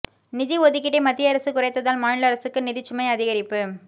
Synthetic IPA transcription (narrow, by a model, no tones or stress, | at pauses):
nɪðiɔðɯk̬ːɪʈːemɐt̪ːɪjɐɾɐsɯkʊrɐɪt̪ːɐðaːlmaːɳɪlɐɾɐsɯkːɯnɪðɪt͡ʃːʊmɐɪɐðɪɣɐɾɪpːɯ